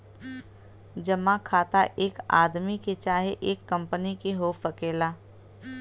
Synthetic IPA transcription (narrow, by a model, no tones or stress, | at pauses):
d͡ʒɐmãkʰaːt̪aʔeːka̰ːd̪miket͡ʃaːɦeʔeːkːɐ̃mpənikeɦoːfɐkeːlaː